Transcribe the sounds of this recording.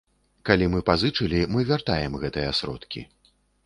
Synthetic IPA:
kalʲimɨpazɨt͡ʂɨlʲimɨvʲart̪ajɛmɣɛt̪ɨjɐsɾɔ̰t̪kʲḭ

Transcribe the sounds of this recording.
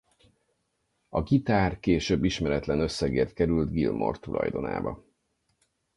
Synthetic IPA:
ɒɡit̪aːrkeːʃøːbːiʃmɛɾɛt̪lɛnø̞sːɛɡeːrt̪̚kɛɾylt̪ɡilmʔo̞̰rt̪ulʔɒ̰jd̪o̞na̰ːbɒ̰

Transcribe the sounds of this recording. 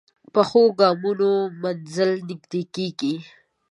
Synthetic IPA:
pəxoɡɑmunomanzəlnɪɡd̪ekeɡi

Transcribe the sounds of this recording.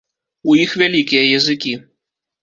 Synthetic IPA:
ujixvʲalʲikʲijɐjɐzɨkʲi

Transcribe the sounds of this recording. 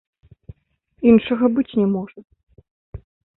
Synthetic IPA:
inʂɐɣɐbɨt͡sʲnʲɛmɔʐɐ

